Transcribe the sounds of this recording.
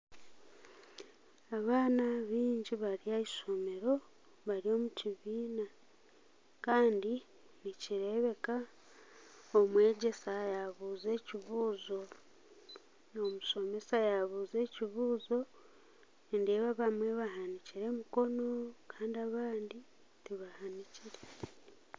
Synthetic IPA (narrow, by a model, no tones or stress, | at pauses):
aβaːnaβiːɲɟiβaɾiaiʃomeɾo̞ | βaɾio̞ːmuciβiːna | kaːndi | niciɾe̞βe̞ka | omwe̞ːɟe̞sajaβuːze̞ːciβuːzo̞ | omuʃo̞me̞sajaβuːze̞ːciβuːzo̞ | endeβaβamwe̞βaɦaniciɾe̞muko̞no̞kaːndiaβaːndi | tiβahaniciɾe̥